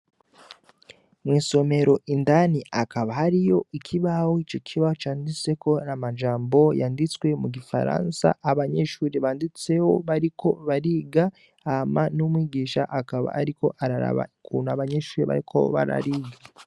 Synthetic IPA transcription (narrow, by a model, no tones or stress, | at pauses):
mwiːso̞me̞ɾo̞ʔindaniʔakaβahaɾijo̞ikʰiβahoit͡ʃokʰiβat͡ʃaːndit͡se̞ko̞namad͡ʒaːmbo̞jaːndit͡swe̞muɡifa̰ɾa̰ːnsa̰ʔaβaɲe̞ʃuːɾiβaːndit͡se̞ho̞̰βaɾikʰo̞βaɾiɡa | amanumwiːɡiːʃaʔakaβa̰a̰ɾiko̞ʔaɾa̰ɾa̰βa̰kʰṵːnaβaɲe̞ʃuːɾiβa̰ɾikʰo̞̰βa̰ɾa̰ɾiːɡa